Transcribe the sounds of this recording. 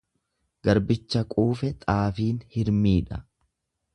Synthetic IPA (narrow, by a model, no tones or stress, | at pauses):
ɡ̥ɐɾbɪt͡ʃːɐkʼuːfɛt̪ʼaːfiːnhɪɾmiːᶑɐ